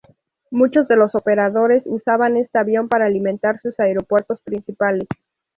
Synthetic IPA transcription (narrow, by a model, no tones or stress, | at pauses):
mut͡ʃo̞zðe̞lo̞so̞pe̞ɾaðo̞ɾe̞susaβane̞st̪eaβjo̞mpaɾaːliment̪aɾsusaeɾo̞pwe̞ɾt̪o̞spɾinsipales